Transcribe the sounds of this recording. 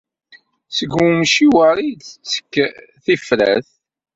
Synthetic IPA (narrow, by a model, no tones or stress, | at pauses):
səɡumʃiwəɾidt͡sə̥kːθifɾæ̰θ